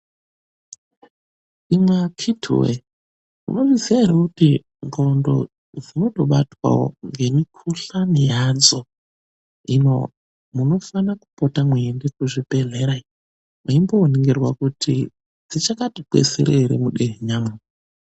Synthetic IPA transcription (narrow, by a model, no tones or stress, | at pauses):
imwakʰitʰṵwe | mṵno̞ʋiziaɦeɾekuti | ŋɡo̞ndo̞̰ | d͡zino̞to̞ɓatwa̰wo̰ŋɡe̞mikʰuɬanijanzo | ino̰ | muno̞fanaku̥potamweːndekuʐipeɮeɾai | maimboːneŋɡerwakutʰi | d͡zit͡ʃakatikwḛsḛɾeiɾḛmuɗeɦeɲaːmu